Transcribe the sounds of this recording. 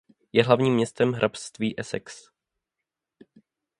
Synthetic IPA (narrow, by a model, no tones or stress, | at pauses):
jɛɦlavɲiːmːɲɛst̪ɛmɦɾʔapst̪viːʔɛsɛ̰ks